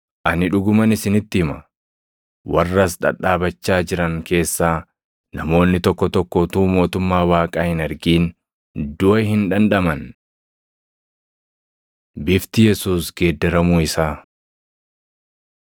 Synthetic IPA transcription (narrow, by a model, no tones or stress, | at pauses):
ʔɐnɪᶑʊɡʊmɐnɪsɪnɪt̪ːɪhɪmɐ | wɐrːɐsᶑɐ̰ᶑːaːbɐt͡ʃːaːd͡ʒɪɾɐŋke̞ːsːaː | nɐmo̞ːnːɪt̪ɔkːɔt̪ɔkːot̪uːmo̞ːt̪ʊmːaːwaːkʼaːhɪnɐɾɡiːn | d̪ʊʔɐhɪnᶑɐnᶑɐmɐn | bɪft̪ɪjɛsuːsɡe̞ːd̪ːɛɾɐmuːɪsaː